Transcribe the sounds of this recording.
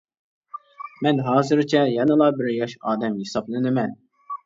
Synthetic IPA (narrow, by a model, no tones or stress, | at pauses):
mɛnɦɑːzɨɾt͡ʃʰɛjɑnɨlˠɑbɪɾjɑʃɑːd̪ɛmhesɑblˠɨnɨmɛn